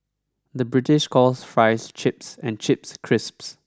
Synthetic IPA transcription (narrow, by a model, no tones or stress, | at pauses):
d̪əbɹɪtɪʃkʰɔsfɹaɪst͡ʃɪpsɛ̃nt͡ʃɪpskʰɹɪsps